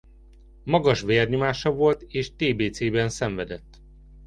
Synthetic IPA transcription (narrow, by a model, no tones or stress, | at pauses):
mɒɡɒʃʋeːrɲomaːʃɒvo̞lt̪eːʃt̪eːbeːt̪seːbɛnsɛɱvɛd̪ɛt̪ː